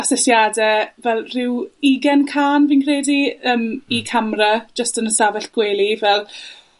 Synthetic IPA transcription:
asɛsjaːdɛvɛlˠrɪwiɡɛnkʰaːnviːnkʰreːdiəːmikʰamrad͡ʒəstənəsavɛɬɡ̥welˠivɛlˠ

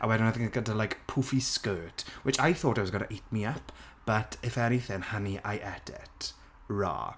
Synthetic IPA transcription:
ʔa̰wɛdɪnaðɪkɡədalˠajkpʰufiskɜːtʰwɪt͡ʃajθoːtawɔzɡəna̰ʔetʰmiapʰ | b̥atʰɪfɛniθɪnhaniʔa̰jʔɛdɪ̰tʰ | ra̰ː

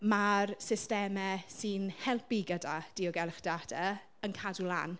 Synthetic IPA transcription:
marsɪstɛmɛsɨnhɛlˠpiɡədad̥iːɔɡɛlχd̥adɛ | ənkʰadulˠa̰ːn

